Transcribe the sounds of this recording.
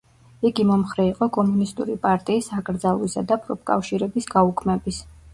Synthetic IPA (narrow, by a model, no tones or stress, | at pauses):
iɡimɔmχɾɛiqʼɔkʼɔmunist̪ʼṵɾipʼaɾt̪ʼiːsakʼɾd̪zalˠisad̪apʰʼɾɔp̚kʼa̰fʃiɾɛbisɡ̥aukʰmɛbis